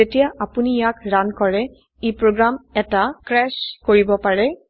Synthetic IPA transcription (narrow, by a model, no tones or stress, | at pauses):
etijaapunijakɹankɔɹɛ | ipɹoɡɹamɛtakɹɛʃkoɹibɔpaɹɛ